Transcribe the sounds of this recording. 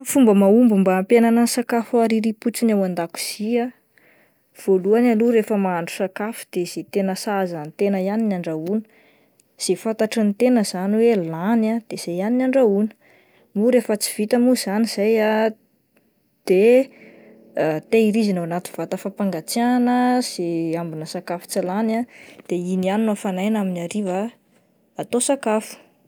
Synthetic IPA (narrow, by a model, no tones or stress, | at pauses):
fumbəmaumbumbampjananəsakafuaɾiɾiput͡sinawand̪aku̥z̥ia | v̥oluanaluɾefəmaːɳɖ͡ʐu̥sakafu̥d̪̥ez̥et̪enəsazanit̪enəjaninaɳɖ͡ʐaunə̥ | z̥efat̪aʈ͡ʂint̪enəzaniwelanad̪̥ez̥ajaninaɳɖ͡ʐaunə̥ | muɾefət͡si̥v̥it̪əmuz̥aniz̥aja | d̪̥e | t̪eiɾizinawanat̪inv̥at̪əfapaŋɡat͡sianəz̥eambinəsakafu̥t͡silanad̪̥einianinafanajnaminaɾiva | at̪osakafu̥